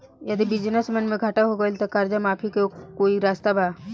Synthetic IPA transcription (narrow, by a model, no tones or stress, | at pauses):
jəd̪ibɪd͡ʒnəsmənmẽɡʱɐʈaɦoɡəlt̪okaːɾd͡ʒamaːpʰikekoːiɾaːst̪aba